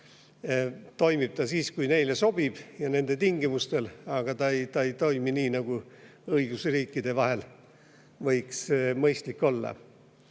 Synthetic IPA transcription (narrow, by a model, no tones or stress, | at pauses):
t̪o̞jmib̥̚t̪ɑsiːskujne̞jle̞so̞b̥ib̥jɑne̞nd̪̥e̞t̪iŋɡimust̪e̞lɑɡ̥ɑt̪ɑejt̪ɑejt̪o̞jminiːnɑɡ̥uɤiɡ̥usriːkːid̪̥e̞vɑɦe̞l | vɤjksmɤjst̪likːˑo̞lːɑ̰